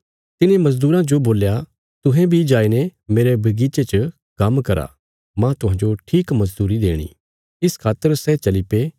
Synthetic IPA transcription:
t̪ɪnẽmɐzd̪uːɾãd͡ʒoboːlja | t̪ʊɦɛ̃bʱid͡ʒaːinemeːɾebɐɡiːt͡ʃet͡ʃə | kɐmkɐɾa̰ | mãt̪ʊɦãːd͡ʒoʈʰiːkmɐzd̪uːɾid̪ḛːɽ̃ḭː | ɪskʰaːt̪ːəɾsɛt͡ʃɐlipeː

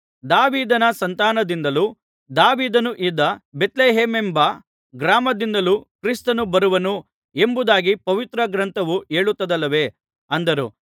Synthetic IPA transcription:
d̪aːʋiːd̪ɐnɐsɐnt̪aːnɐd̪ind̪ɐlu | d̪aːʋiːd̪ɐnuʔid̪ːɐbe̞t̪leːɦeːmembɐ | ɡɾaːmɐd̪ind̪ɐlukɾist̪ɐnubɐɾuʋɐnu | e̞mbud̪aːɡipɐʋit̪ɾɐɡɾɐnt̪ʰɐʋueːɭut̪ːɐd̪ɐlːɐʋe̞ | ɐnd̪ɐɾṵ

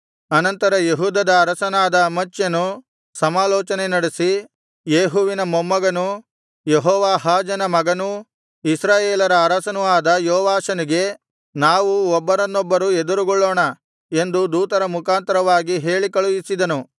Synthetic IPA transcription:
ɐnɐnt̪ɐɾɐjeɦuːd̪ɐd̪ɐːɾɐsɐnaːd̪ɐmɐt͡ʃːjɐnu | sɐmaːlɔːt͡ʃɐnenɐɽesi | jeːɦuʋinɐmomːɐɡɐnu | jeɦɔːʋaːɦaːd͡ʒɐnɐmɐɡɐnu | isɾaːjeːlɐɾɐːɾɐsɐnuaːd̪ɐjoːʋaːʃɐniɡe̞ | naːʋuɔbːɐɾɐnːɔbːɐɾued̪uɾuɡɔɭːoːɳɐ | e̞nd̪ud̪uːt̪ɐɾɐmukʰaːnt̪ɐɾɐʋaːɡiɦe̞ːɭikɐɭujisid̪ɐnu

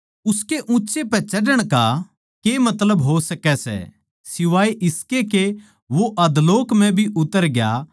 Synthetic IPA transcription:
ʊskeʔũːt͡ʃepɛt͡ʃɐɖəɽ̃ka | kemɐt̪ləbɦosɐkɛsɛ̰ | sɪʋaːiʔɪskeke | ʋoʔɐd̪loːkmɛ̃bʱiʔʊt̪ːəɾɡja̰

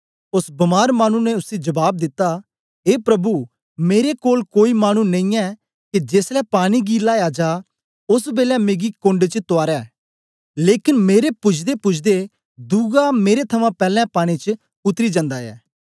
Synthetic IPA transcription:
ʊsbɐmaːɾmaːñũnɛʊsed͡ʒəbaːb̚d̪ɪt̪ːaː | eːpɾəbuː | meːɾekoːlkoːiːmaːñũːnɐ̃ĩːɛː | kɪd͡ʒeːslɛːpaːɽ̃iːɡiːlaːaːd͡ʒaː | ʊsbeːlɛ̃ːmeːɡiːkõɳɖet͡ʃət̪ʊaːɾɛː | leːkɪnmeːɾepʊt͡ʃʰd̪epʊt͡ʃʰd̪e | d̪uːɡaːmeːɾet̪ʰəmãːpɛːlɛ̃ːpaːɽ̃iːt͡ʃə | ʊt̪ɾiːd͡ʒə̃nd̪aːjɛ̰ː

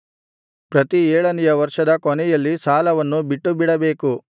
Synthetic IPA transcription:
pɾɐt̪iɛːɭɐnijɐʋɐɾʂɐd̪ɐkonɛjɐlːisaːlɐʋɐnːubiʈːubiɽɐbeːku

